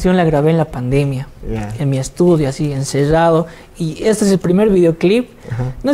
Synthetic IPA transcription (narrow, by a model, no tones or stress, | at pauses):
sjo̞nlaɣɾaβeːnlapand̪e̞mjaamiest̪uðjoasienseraðo | iest̪oes̬elpɾime̞ɾβiðeoklip | no